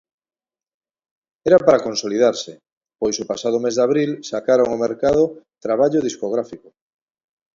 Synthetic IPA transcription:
ɛɾapaɾakonsolið̞aɾsɪ | pojsopasað̞ʊmezðaβɾilsakaɾoŋomeɾkað̞ot̪ɾaβ̞aʎoðiskoɣ̞ɾafiko

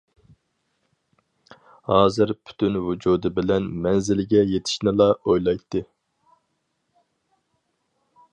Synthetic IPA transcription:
hɑːzɨɾpʰy̥t̪ʰynvud͡ʒuːd̪ɪbɪlɛnmɛnzɪlɡʲɛjet̪ʰɪ̥ʃnɪlˠɑojlˠɑjt̪ʰːɨ

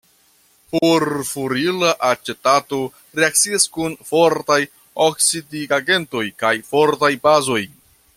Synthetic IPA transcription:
poɾfuɾilaʔat͡ʃetato̞ | ɾeak̚t͡siaskunfo̞ɾtaj | oksidiaɡe̞nto̞jkajfo̞ɾtajpazo̞j

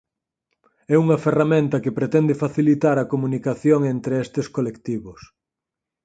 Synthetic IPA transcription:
ɛuŋɐferamẽnt̪ɐkepɾet̪ɛnd̪efaθilit̪aɾɐkomunikaθjoŋent̪ɾeɛst̪eskolekt̪iβʊs

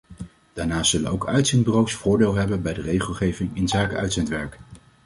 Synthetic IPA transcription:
d̥aːɹnaːsɵlə̰nowkœɥtsɪntbərowsfʊːɹdɪːlˠɦɛbənbɛjdərejχəlˠχejvɪŋɪnzaːkəʔœɥtsɛntʋɛɹk

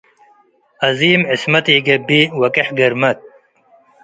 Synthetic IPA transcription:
ɐziːmismɐt̪iɡebiwɐkeħɡɐɾmɐt̪̚

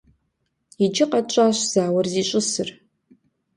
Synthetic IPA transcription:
id͡ʒɪqɐt͡ʃʷʼaːɕʷz̥aːwɐrziːɕʷʼʊsɨr

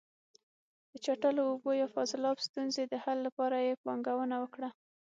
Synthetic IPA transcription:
d̪̥ət͡ʃaʈəloːbojɑfɑzɪlɑbst̪unzed̪əhalːapɑɾajepwɑŋɡawənawəkɽa

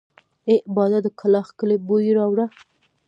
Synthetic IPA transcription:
eʔbɑd̪ad̪əkʰalɑxkəlebojiɾɑwɽa

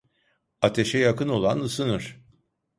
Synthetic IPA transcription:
at̪ʰe̞ʃɛjakɯno̞lˠanɯsɯnɯɾ̥

